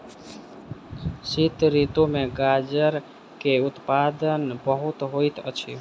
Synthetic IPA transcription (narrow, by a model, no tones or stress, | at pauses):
sit̪ɾit̪omeɡad͡ʒəɾ | keut̪pad̪ənbəɦut̪ɦojt̪ə̰t͡ʃʰḭ